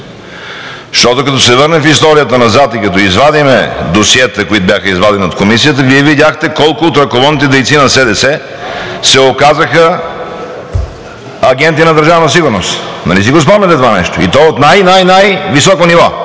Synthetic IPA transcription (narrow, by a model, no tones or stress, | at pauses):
ʃt̪ɔt̪okɐt̪ɔsɛvəɾnɛfist̪ɔɾijət̪ənɐzat̪ikɐt̪ɔizvad̪imɛd̪osiɛt̪əkoit̪ʊbjaxəizvad̪ɛniot̪komisijət̪əviɛvid̪ʲaxt̪ɛkɔlˠkʊot̪ɾɐkovɔd̪nit̪ɛd̪ɛjt̪sinɐsɛd̪ɛsɛ | sɛokazəxə | ɐɡ̟ɛnt̪inɐd̪əɾʒavnɐs̬iɡʊɾnost̪nɐ̰lis̬iɡos̬pɔmnɛt̪ɛt̪ovanɛʃt̪oḭt̪ɔot̪najnajnajvisɔkonivɔ